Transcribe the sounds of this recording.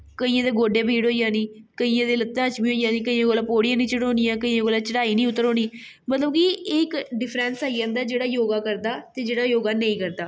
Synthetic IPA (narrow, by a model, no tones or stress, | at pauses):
kəiːãːd̪eːɡoːɖeːbʱiːɽɦoːijãːnĩːkəiːãːd̪eːlət̪ːãːt͡ʃmĩːɦoːijãːniːkəiːãːɡoːlaːpoːɽijãːnĩːt͡ʃəɽõːnijãːkəiːãːɡoːlaːt͡ʃəɽaːiːnĩːʊt̪ːəɾoːniː | mət̪ləbkiɪkɖɪpʰɾɛːnsaːiãːnd̪aːd͡ʒeːɽaːjoːɡaːkəɾd̪aːt̪eːd͡ʒeːɽaːjoːɡaːnəĩːkəɾd̪aː